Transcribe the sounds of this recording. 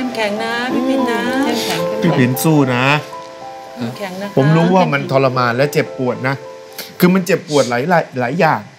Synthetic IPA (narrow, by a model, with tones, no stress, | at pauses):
t̪ʰiː˥˩pi˨˩˦nsuː˥˩na˦˥ | pʰo˩˦mɾuː˦˥waː˥˩ma˧nt̪ʰɔː˧la˧maː˧nlɛ˦˥t͡ɕe˨˩p̚ːu˨˩ət̪̚na˦˥ | kʰɯː˧ma˧nt͡ɕe˨˩p̚ːu˨˩ət̪̚laː˩˦jlaː˨˦jlaː˩˦jːaː˨˩ŋ